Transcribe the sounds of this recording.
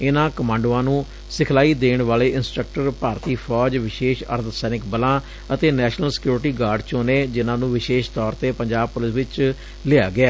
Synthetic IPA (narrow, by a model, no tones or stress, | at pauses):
ɪnãːkəmãːɳɖuãːnũː | sɪkʰlaːiːd̪eːɳʋaːleːʔɪnsʈɾək̚ʈəɾpaːɾt̪iːpʰɔːd͡ʒʋɪʃeːʃə̰ɾt̪sɛːnɪkbəlãː | ət̪eːnɛːʃnəlsɪ̥kjuːɾʈiːɡaːɾɖt͡ʃõːneːd͡ʒɪnãːnũːʋɪʃeːʃt̪ɔːɾt̪eːpəɲd͡ʒaːb̚pʊlɪsʋɪt͡ʃ | lɪaːɡɪaː